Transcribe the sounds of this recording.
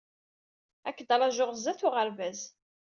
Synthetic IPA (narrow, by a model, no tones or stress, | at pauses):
ækːd̪ɑɾˤɑʒʊʁzæθʊʁəɾvæz